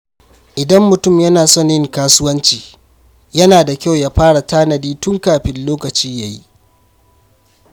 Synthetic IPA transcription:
ʔɪ˨dɐ˦mːʊ˨tʊ˦˨mjɐ˦naː˨sɔ˦˨ɲjɪ˦ŋkaː˦sʊ˦wɐ˦nt͡ʃiː˨ | jɐ˦naː˨da˨kʲa˦˨wja˦ɸaː˦ɽa˨taː˦nɐ˨diː˦tʊ˦ŋkaː˨ɸɪ˦nloː˦kɐ˨t͡ʃiː˦ja˨ji˦ʔ

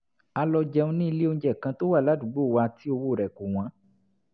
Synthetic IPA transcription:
a˧lɔ˧d͡ʒɛ˧ũ˧nĩ˦i˧le˦õ˧˦d͡ʒɛ˦˨kã˧to˦wa˦˨la˨˦du˦˨˦ɡ͡bo˦˨wa˧ti˦o˧wo˦˨ɾɛ˨ko˨w̃ã˨˦

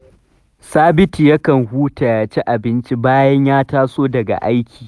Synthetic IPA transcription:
saː˦bɪ˦tiː˨jɐ˦kɐ˨ŋhuː˦ta˨jaː˨t͡ʃe˦ʔa˨bɪ˦nt͡ʃi˦baː˦jɐ˦ɲjaː˦taː˦soː˦dɐ˨ɡa̰˨ʔa˦jkʲi̥ː˨

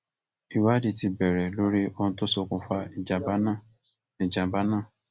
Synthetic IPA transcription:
i˨wa˦di˧ti˧bɛ˨ɾɛ˨lo˦ɾi˦o˧nũ˧to˦sɔ˧kũ˧fa˧i˨d͡ʒa˨˧ba˦nã˦˨ | i˨d͡ʒã˨˧ba˦nãː˦˨

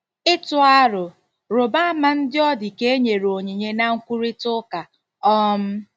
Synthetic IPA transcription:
ɪ˦tʊ˦a˦ɾʊ˨ | ɾʊ˨ba˦a˦ma˦n̩˦dɪ˦ɔ˦dɪ˨ke˦e˦ɲe˨ɾo˨ɲe˨ɲe˦na˦ŋ̩˦kʷu˦ɾi˦tʊ˦ka˨ | ɔ˦m̩˦

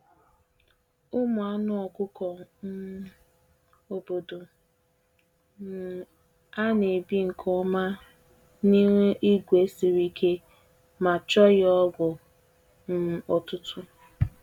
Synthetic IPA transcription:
ʊ˦mʊ˨a˦nʊ˦ɔ˨kʊ˦kɔ˨n̩˦ | o˨bo˨do˨ | n̩˨ | a˦ne˨bi˦ŋ̩˨kʰɔ˦ma˦ | ni˦ŋʷe˦ʔi˦ɡʷe˦si˨ɾi˦kʰe˦ | ma˨t͡ʃɔ˦jɔ˦ɡʷʊ˨ | n̩˦ɔ˨tʊ˦tʊ˦

